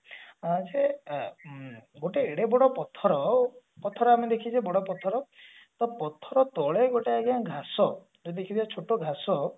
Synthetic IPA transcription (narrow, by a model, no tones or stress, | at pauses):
d͡ʒe | ɡoʈeːɽebɔɽɔpɔt̪ʰɔɾɔ | pɔt̪ʰːɔɾɔamed̪ekʰid͡ʒebɔɽɔpɔt̪ʰɔɾɔ | t̪ɔpɔt̪ʰɔɾɔt̪ɔɭeɡoʈeaɡiãɡʱasɔ | d͡ʒed̪ekʰit̪ʰiat͡ʃʰoʈoɡʱasɔ